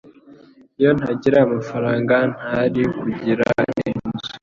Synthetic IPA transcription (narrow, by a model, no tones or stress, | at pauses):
ijo̞n̥haɟiɾaamafaɾaːŋɡan̥haɾikuɟiɾa̰inzu̥